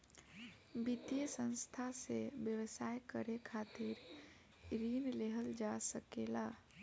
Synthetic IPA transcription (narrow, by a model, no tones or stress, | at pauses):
bid̪ijəsə̃nst̪ʰasebjəwəsajkəɾekʰat̪iɾ | ɾinleɦəld͡ʒasəkela